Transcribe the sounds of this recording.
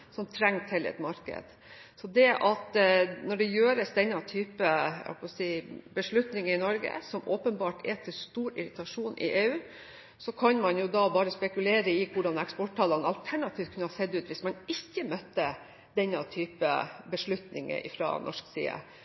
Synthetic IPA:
sɔmt̪ʰɾɛŋːt̪ʰɪlɛ̰t̪mɑɾkə̰d̪̥ | sɔd̪ɛʔɑt̪nɔɖɛjøːɾəsd̪ɛnːɑt̪ʰyːpəɑ̰pɔsiːbəʂɭʉt̪nɪŋəɪnɔɾɡə̰sɔmoːpənbɑːʈʰɛt̪ʰɪlst̪uːɾɪɾɪt̪ɑʂuːnʔɪ̰ʔeːʉː | sɔkʰɑnmɑnjʊd̪ɑbɑːɾəspɛkʉleːɾəɪkʊɖɑnɛkspɔʈʰːɑlːɑnɑlt̪ʰæɳɑt̪ʰiːʋ̚kʰʉnəhɑsɛd̪ʉːt̪ʋɪsmɑnɪçːəmœt̪ːə | d̪ɛnːɑt̪ʰyːpə̰bəʂɭʉt̪nɪ̰ŋə̰ʔɪ̰fɾɑ̰nɔ̰ʂksḭːə̰

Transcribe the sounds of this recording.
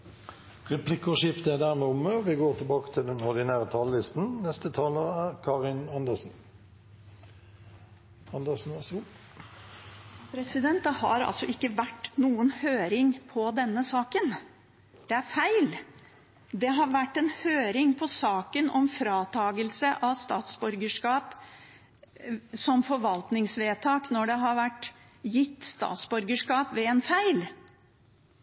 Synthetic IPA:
ʁɛpʰlɪkɔʃɪft̪əæd̪æʁmɛʊmːəɔʋɪɡoːʁt̪ʰɪlbɑːkə̥t̪ʰɪld̪ɛnɔʁd̪ɪnæːʁət̪ʰɑllɪst̪n̩nɛst̪ət̪ʰɑːləʁæːʁkʰɑːʁɪnɑnd̪əʁsn̩ | ɑnd̪əsn̩ɑs | pʰɾɛsɪd̪ɛnt̪ɑhɑ̰ɾɑ̰lsɔʔɪkːəʋæʈːnuːənhøːɾɪŋpʰɔd̪ɛnːəsɑːkən | d̪̥ɛæɾfæɪl | d̪ɛɦɑɾʋæʈːɛnhøːɾɪŋpʰɔsɑːkənɔmfɾɑːt̪ʰɑːɡəlsəʔɑst̪ɑːt̪sbʉɾɡəʂkɑːp | sɔmfɔɾʋɑlt̪nɪŋsʋeːt̪ʰɑːknɔɖɛɦɑɾʋæʈː | jɪt̪ːst̪ɑ̰ːt̪sbʉɾɡəʂkɑːpʋɛɛnfæɪl

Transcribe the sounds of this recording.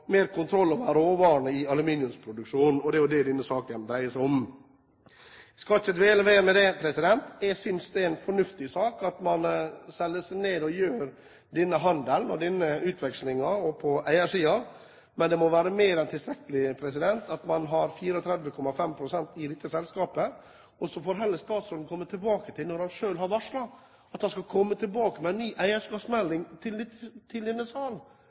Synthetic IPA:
meːɾkʰʊnt̪ʰɾɔlːɑʋəɾoːʋɑːɾəɳəɪɑlʉminɪʉmspʰɾʊd̪ʉkʂuːnn̩ɔd̪ɛːjʊd̪ɛd̪ɪnːəsɑːkənd̪ɾæɪəsʊm | skɑçəd̪ʋeːləʋeːɾmɛd̪ɛpʰɾɛsɪd̪ɛnt̪jɛɡsʏnsd̪ɛɛnfɔɳʉft̪ɪsɑːkɑt̪mɑnsɛlːəsæneːd̪ɔjøːɾ | d̪ɪnːəɦɑnd̪əlnɔɖɪnəʉːt̪ʰʋɛkslɪŋɑɔpʰɔʔæɪəʂiːɑ | mɛnd̪ɛmɔʋæːɾəmeːɾɛnt̪ʰɪlst̪ɾɛkːəlɪpʰɾɛsɪd̪ɛnt̪ɑt̪mɑnɦɑɾfiːɾəɔt̪ʰɾɛd̪ʋəkʰɔmːɑfɛmpʰɾʊsɛnt̪ɪd̪ɛt̪ːəsɛlskɑːpə | ɔsɔfoːɾɦɛlːəst̪ɑːt̪sɾɔld̪n̩kʰɔmːət̪ʰɪlbɑːkət̪ʰɪlnɔɾhɑnʂøːlɦɑɾʋɑʂɭɑɡ | ɑt̪hɑnskɑkʰɔmːət̪ʰɪlbɑːkəmɛænnːyːʔæɪəʂkɑːpsmɛlːɪŋt̪ʰɪld̪ɪtːt̪ʰɪld̪ɛnːəsɑːln

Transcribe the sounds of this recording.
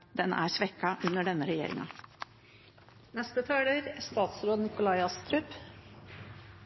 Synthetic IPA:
d̪ɛnæ̰ːɾsʋɛkːɑʔʉnəɖɛnːəɾɛjḛːɾɪ̰ŋɑ̰ | nɛst̪ət̪ʰɑːɖeːɾæst̪ɑːt̪sɾoːd̪nɪkʊlɑɪɑst̪ʰɾʉp

